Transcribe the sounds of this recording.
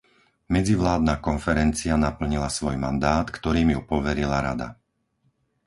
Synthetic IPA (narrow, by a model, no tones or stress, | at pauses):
mɛd͡ziʋlaːd̪naːkɔnfɛɾɛnt͡sianapl̩ɲilasʋɔjma̰nd̪aːt̪kt̪ɔɾiːmjupɔʋɛɾilaɾad̪a̰